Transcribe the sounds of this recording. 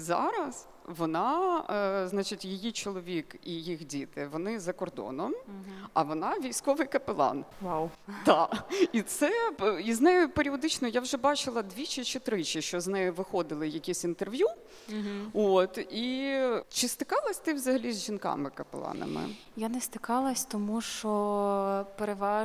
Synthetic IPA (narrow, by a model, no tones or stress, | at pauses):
zɑ̰ɾɐs | ʋɔnɑ | znɑt͡ʃɪtʲjejit͡ʃɔlˠɔʋʲikijixdʲit̪ɪʋɔnɪzɐkɔrd̪ɔ̰nɔmɐʋɔnɑʋʲijsʲkɔʋɪjkɐpelˠɑ̰nwawt̪ɑit̪sɛiznɛjʊpeɾʲiɔd̪ɪt͡ʃnɔjawʒɛbɑt͡ʃɪlˠɐd̪ʋʲit͡ʃɪt͡ʃɪt̪ɾɪt͡ʃɪʃt͡ʃɔznɛjʊʋɪxɔd̪ɪlˠɪjɐkʲisʲint̪erʋʲju | ɦot̪it͡ʃɪst̪ɪ̥kɑlˠɐsʲt̪ɪwzɐɦɐlʲizʲʒinkɑ̰mɪkɐpḛlˠɑ̰nɐ̰mɪ̰ | janɛst̪ɪkɑlˠɐsʲt̪ɔmuʃt͡ʃɔ | peɾeʋɑ